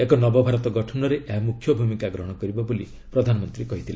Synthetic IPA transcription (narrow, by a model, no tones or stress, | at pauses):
ekɔnɔbɔbʱaɾɔt̪ɔɡɔʈʰɔnɔɾeʔeɦamukʰːjɔbʱumikaɡɾɔɦɔɽ̃ɔkɔɾibɔboli | pɾɔd̪ʱanɔmɔnt̪ɾikɔɦit̪ʰile